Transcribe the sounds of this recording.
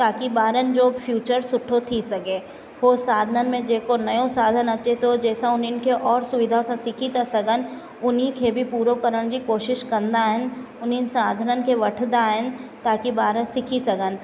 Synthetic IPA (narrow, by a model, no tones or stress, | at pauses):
t̪aːkibaːɾənd͡ʒoːfʰjuːt͡ʃəɾsʊʈʰot̪ʰisɐɡeː | ʋosaːd̪ʱənən̆mẽd͡ʒeːkonɐjõsaːd̪ʱənɐt͡ʃet̪od͡ʒɛːsaʊninkʰeʔɔːɾsʊʋɪd̪ʱasãsɪkʰit̪asɐɡən | ʊnɦikʰebʱipuːɾokəɾəɽ̃d͡ʑikoːʃɪʃkɐɾ̃nd̪aːɦɪn | ʊnɦinsaːd̪ʱənənɪ̆keʋɐʈʰd̪aɦɪnt̪aːkibaːɾəsɪkʰisɐɡən̆